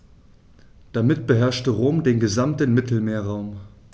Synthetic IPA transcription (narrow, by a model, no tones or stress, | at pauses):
d̥amɪt̚b̥əɦɛɐʃtəʁoːmdeːnɡəzamtənmɪtʰl̩meːɐʁaʊm